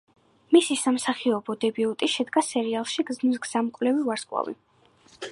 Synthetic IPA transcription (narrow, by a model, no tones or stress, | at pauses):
misisamsaχiɔbɔd̪ɛbiut̪ʼiʃɛd̪ɡasɛɾialˠʃiɡzmis̬ɡz̥amkʼwlɛvivaɾskʼwa̰vḭ